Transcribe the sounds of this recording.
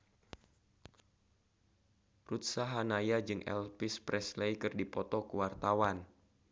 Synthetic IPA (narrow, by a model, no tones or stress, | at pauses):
rut̪̚saɦanajad͡ʒɨŋʔɛ̰lpɪspɾɛslejkɨrdipɔt̪ɔkuwart̪awan